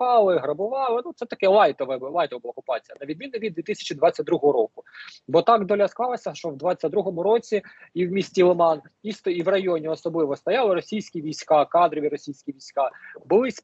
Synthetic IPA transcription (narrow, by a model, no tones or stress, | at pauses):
ɑlˠɪɦɾɔbʊʋɑlˠɪnut̪sɛt̪ɐkɛlˠɑjt̪ɔʋɪlˠɑjt̪ɔʋɐbʊlˠaːɔkʊpɑt͡sʲijɐnɐʋʲid̪mʲinʊʋʲid̪d̪ʋʲit̪ɪsʲɐ̥t͡ʃid̪ʋɑt͡sʲːɐt̚ʲd̪ɾuɦɔɦɔɾɔkʊbɔt̪ɑɡd̪ɔlʲɐsk̪ˠɑlˠɐsʲɐʃt͡ʃɔwd̪ʋɑt͡sʲːɐd̪ɾuɦɔmʊɾɔt͡sʲiiwmʲisʲtʲilˠɔmɑn | ist̪ɔiwrɐjɔnʲiɔsɔblˠɪʋɔst̪ɔjɑlˠɪɾɔsʲijsʲkʲiʋʲijsʲkɑkɑd̪ɾɔʋʲiɾɔsʲijsʲkʲiʋʲijsʲkɑbʊlˠɪsʲ